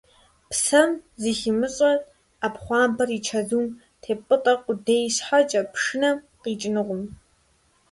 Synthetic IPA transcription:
psɐmzixɪmɨɕʼɐ | apχʷɑːmbɐriːt͡ʃʰɐzuːm | tʰeːpʼɨtʼɐqʷʊdejɕħat͡ʃʼɐpʰʂɨnɐ | qiːt͡ʃʼɪnɨʁʷʊm

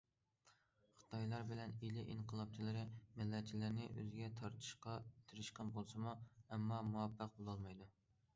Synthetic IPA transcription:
χɨ̥t̪ʰɑjlˠɑɾbɪlɛnilɪʔiɴqʰəlˠɑp̚t͡ʃʰilɪɾɪmɪlːɛt̪̚t͡ʃʰilɪɾnɪ̰ʔø̰zɡʲɛt̪ʰɑɾt̪ʰɨ̥ʃqɑt̪ʰɨɾɨʃqɑnbolˠsɨmuɛmːɑmuwɑpʰːəq̚bolˠɑlˠmɑjd̪u

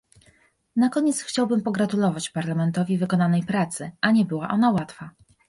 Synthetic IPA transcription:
nakɔɲɛt̪sxt͡ɕawbɘmpɔɡɾat̪ulɔvat͡ɕpaɾlamɛnt̪ɔvʲivɘkɔnanɛjpɾat̪sɘʔaɲɛbɘwaʔɔnawat̪fa

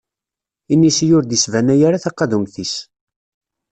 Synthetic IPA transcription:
inːisjʊɾd̪isvænæjaɾaθɑqːɑðumθis

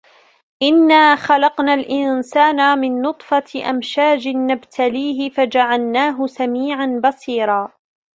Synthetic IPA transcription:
ʔɪnːaːxalɑqnaːlʔɪnsaːnamɪnːʊt̪ˤfɑʔa̰mʃaːd͡ʒɪːabt̪ʰaliːɦɪfad͡ʒaʕalnaːɦʊsamiːʕanbɑsiːɾˤɑː

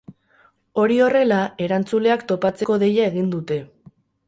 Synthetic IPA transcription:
o̞ɾio̞re̞lae̞ɾant͡sule̞akt̪o̞pat͡se̞ko̞ðe̞jae̞ɣ̞ind̪ut̪e̞

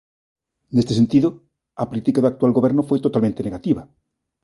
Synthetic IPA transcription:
nest̪esent̪iðʊ | apolit̪ikaðʊakt̪walɣoβeɾnofojt̪ot̪almẽnt̪eneɣat̪iβa

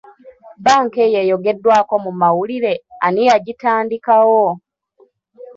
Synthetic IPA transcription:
baːŋke̞jejo̞ɡe̞dːwaːko̞mumawuliɾe̞anijaɟitaːndikawo

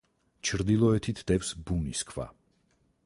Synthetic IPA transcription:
t͡ʃʰɾd̪ilˠɔɛt̪ʰit̪ʰd̪̥ɛfsbuniskʰva̰

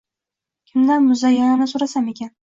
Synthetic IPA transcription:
kʲʰɪmlaɾmʊzajananɪsoɾasame̞kʲan

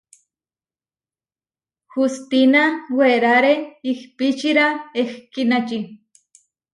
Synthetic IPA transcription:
xust̪inaweɾaɾeixpit͡ʃiɾaexkinat͡ʃi

